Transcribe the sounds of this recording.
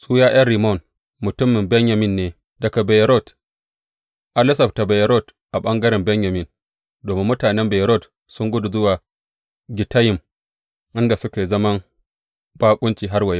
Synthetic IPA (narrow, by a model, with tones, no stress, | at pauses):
sʼuː˦jaː˦j̰ɐ˦rɾi˨mɔ˦˨n | mʊ˨tʊ˦mːɪ˨mbɛ˦ɲja˨mɪ˦˨nːeː˨ | dɐ˨ka˨bɛ˨jɾɔ˦˨t | ʔa˦lɪ˦sɐ˨bta˨bɛ˨jɾɔ˦˨t | ʔa˨ɓɐ˦ŋɡɐ˦ɾɛ˨mbɛ˦ɲja˨mɪ˦˨n | doː˨mɪ˦mːʊ˦taː˨nɛ˦mbɛ˨jɾɔ˦˨t | sʊ˦ŋɡʷʊ˦du˨zʊ˦waː˨ | ɡʲɪ˨ta˦jɪ˨m | ʔɪ˦nda˨sʊ˦kʲeː˨zɐ˦mɐ˦ŋ | b̥aː˦kʷʼʊ˦nt͡ʃiː˨ɦa˦rwɐ˨je˦